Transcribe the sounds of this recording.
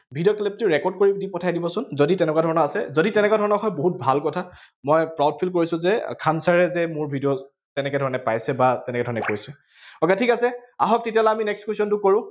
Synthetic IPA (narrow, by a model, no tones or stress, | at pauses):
bʱidioklip̚tʊɹɛkɔɹd̚koɹidipɔtʰajdibɔsʊnzoditɛnɛkwadʱɔɹɔnɔasɛzoditɛnɛkwadʱɔɹɔnɔxɔjboɦut̚bʱalkɔtʰa | mɔjpɹawd̚pʰilkoɹisʊ̃zɛkʰansaɹɛzɛmʊɹbʱidijo | tɛnɛkɛdʱɔɹɔnɛpajsɛbatɛnɛkɛdʱɔɹɔnɛkoɹisɛ | ɔkɛtʰikasɛa̰ɦɔk̚tetialaaminɛkskesɔntʊkoɹʊ̃